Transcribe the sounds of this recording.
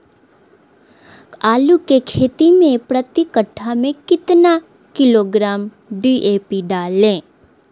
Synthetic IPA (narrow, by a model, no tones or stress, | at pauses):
aːlukekʰeːt̪imẽpɾət̪ɪkəʈʰːamẽkɪt̪na | kɪloɡɾaːm | ɖiʔeːpiɖaːlẽː